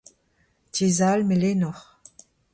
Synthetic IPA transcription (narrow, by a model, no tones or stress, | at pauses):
tizalmelenɔχ